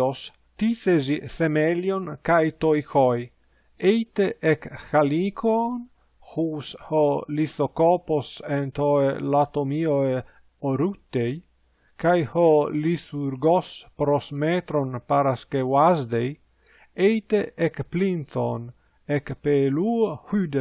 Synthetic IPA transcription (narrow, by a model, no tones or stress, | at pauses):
os | t̪iθezifemeljonkajt̪ojxoj | ejt̪eʔekxalikʰon | huːsholiθokɔposent̪oelat̪omioe | oɾut̪ːej | kajhɔlituɾɡospɾosmet̪ɾonpaɾaskewazd̪ej | ejt̪eʔekplinθo̰n | ekpeluhyd̪e